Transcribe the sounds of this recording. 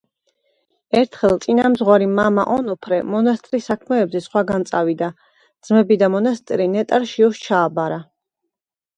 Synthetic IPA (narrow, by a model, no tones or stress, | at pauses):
ɛɾt̪ʰχɛlˠt̪sʼinamzʁwaɾimama̰ʔɔnɔpʰɾɛmɔnast̪ʼɾisakʰmɛːbzɛsχwaɡant̪sʼavid̪a | d̪̥z̥mɛbid̪amɔnast̪ʼɾinɛt̪ʼaɾʃiɔʃt͡ʃʰaːbaɾa